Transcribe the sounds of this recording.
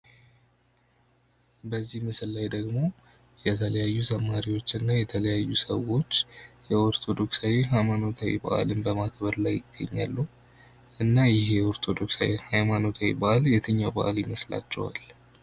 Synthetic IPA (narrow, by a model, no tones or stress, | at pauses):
bəzːihmɨsɨlːajd̪əɡmo̞ | jɛt̪ʰələjajːusəmːaɾiwo̞t͡ʃːɨnːajɛt̪ʰələjajːusəwo̞t͡ʃːjɛoɾt̪ʰo̞d̪o̞ksawiɦajmano̞t̪ʰawḭba̰ʔa̰lɨnbəmakʰbəɾlajːɪɡːə̰ɲːa̰lːu | ʔɨnːajɪɦe̞oɾt̪ʰo̞d̪o̞ksawihajmano̞t̪ʰawḭbaʔljɛt̪ʰɨɲːawba̰ʔaljɪməsla̰t͡ʃːɛ̰wa̰l